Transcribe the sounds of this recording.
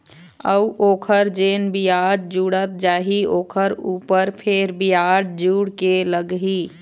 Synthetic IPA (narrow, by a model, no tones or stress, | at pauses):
əuʔoːkʰəɾd͡ʒenbijaɖd͡ʒuɽət̪̚d͡ʒaːɦioːkʰəɾupəɾpʰeɾbijaɽd͡ʒuɽkeləɡɦi